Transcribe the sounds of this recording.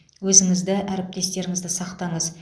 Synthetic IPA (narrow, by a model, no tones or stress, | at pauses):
wɵzɪŋɪzd̪ɪʔæɾɪp̚t̪e̞st̪e̞ɾɪŋɪzd̪ɪsɑqt̪ɑɴəz